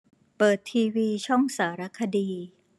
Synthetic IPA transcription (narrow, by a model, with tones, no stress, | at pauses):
pɤː˨˩t̪ʰːiː˧wiː˧t͡ɕʰɔ˥˩ŋsaː˩˦ɾa˦˥kʰa˧diː˧